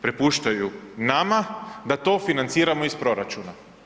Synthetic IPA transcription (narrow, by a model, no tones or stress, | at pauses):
pɾe̞puʃt̪ajunamad̪at̪o̞ːfinant̪siːɾamoispɾo̞ɾat͡ʃuna